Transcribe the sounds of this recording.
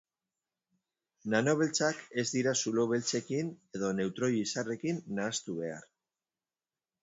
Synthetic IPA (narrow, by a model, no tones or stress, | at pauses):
nano̞βe̞lt͡sake̞zd̪iɾasulo̞βe̞lt͡se̞kine̞ðo̞ne̞wt̪ɾo̞jisare̞kinːaːst̪uβe̞a̰ɾ